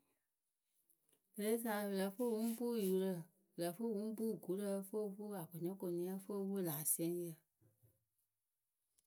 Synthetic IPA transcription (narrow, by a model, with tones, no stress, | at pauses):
lə˧le˦s̬a˨˧˦ə˧lə˨˦fə˦˨ŋũ˦bu˦˨ju˨˦lə˧ | ə˨lə˨fə˦˨wũ˦buː˦˨ɡu˨˦lə˧fə˦˧fu˦a˨ko˨ɲɔ̃˦ko˨˧˨nĩ˧˦ã˧fə˦˧wə˦˨laː˨si˦ɛ̃˨˦ŋ˦jə˨